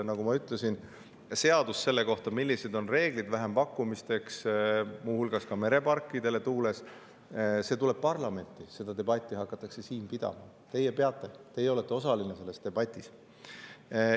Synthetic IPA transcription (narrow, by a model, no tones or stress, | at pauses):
nɑɡumɑyt̪ːˑle̞sin | se̞ɑd̪usse̞lːe̞ko̞ht̪ɑmilʲːised̪o̞nre̞ːɡ̥lid̪væɦempɑkːumist̪e̞ksmuːhulɡ̥ɑskɑme̞ɾe̞pɑrkːˑid̪̥e̞le̞t̪uːle̞s | se̞ːt̪ule̞b̥̚pɑrlɑme̞nt̪ːˑise̞d̪̥ɑd̪e̞b̥ɑt̪ʲːˑiɦɑkːɑt̪ːˑɑkse̞siːnpid̪̥ɑ̰mɑ̰ | t̪e̞jːepe̞ɑt̪ːˑe̞t̪e̞jeo̞le̞t̪ːˑe̞o̞sɑlinese̞lːe̞st̪e̞bɑt̪ʲːˑis